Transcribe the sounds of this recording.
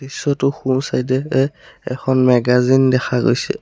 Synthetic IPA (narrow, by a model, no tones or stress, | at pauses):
isɔtʊxusajd̬ɛɛɛkʰɔnmɛɡazindɛxʰaɡo̰jsɛ̰